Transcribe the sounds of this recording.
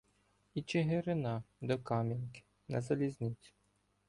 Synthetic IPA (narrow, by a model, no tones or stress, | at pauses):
it͡ʃɪɦɪɾɪnɑd̪ɔkɑmʲinkɪ̥ | nɐ̰zɐlʲizʲnʲɪt͡sʲʊ̥